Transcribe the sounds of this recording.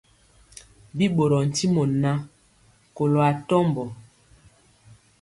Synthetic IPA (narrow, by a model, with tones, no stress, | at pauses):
bi˦ɓo˨ɾɔ˨n̩˨ti˦mɔ˨na˦ | ko˨lo˨a˨tɔ˦mbɔ˨